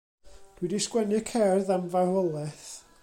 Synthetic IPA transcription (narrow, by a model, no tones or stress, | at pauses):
d̥widiskwɛnɨkʰɛrðanvahɔlˠɛθ